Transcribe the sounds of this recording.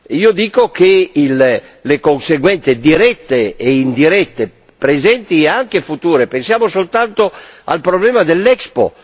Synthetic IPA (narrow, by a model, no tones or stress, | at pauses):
iːod̪iːkokeil | lekonseɡwɛnt̪sed̪iɾɛt̪ːeːind̪iɾɛt̪ːe | pɾezɛnt̪iaŋkefut̪uːɾepensjaːmosolt̪ant̪oa̰lpɾoblɛːmad̪elːɛkspo̰